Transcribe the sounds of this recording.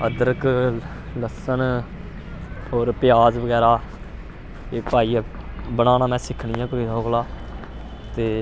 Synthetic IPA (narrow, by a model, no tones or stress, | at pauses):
əd̪əɾək | ləsən | ɦoːɾpɪjaːzʋəɡɛːɾaː | eːpaːiː | bəɽ̃aːnaːmɛ̃ːsɪkʰɳɪjãːkiɦoːɡlaː | t̪eː